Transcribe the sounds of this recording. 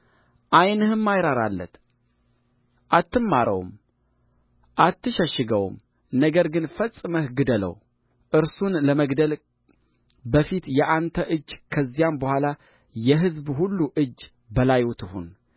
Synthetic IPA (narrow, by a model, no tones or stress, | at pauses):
ʔajnɨhɨmːajɾaɾa̰lːə̰t̪ | ʔat̪ːɨmːaɾə̰wm | ʔat̪ʰːɨʃəʃːɨɡəw̰m | nəɡəɾɡɨnfəsʼːɨməhɡɨd̪ələ̰w | ʔɨɾsunləməɡd̪əl | bəfit̪jɛʔant̪ʰəʔɨd͡ʒːkʰəzːijambəhʷala | jɛɦɨzbhulːuʔɨd͡ʒː | bəlajwɔt̪ʰɨhṵn